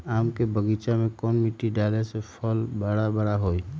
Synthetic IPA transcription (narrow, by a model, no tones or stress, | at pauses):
aːmkebəɡiːt͡ʃamẽkɔːnmiʈiɖaːlesepʰəlbəɽabəɽaɦoːi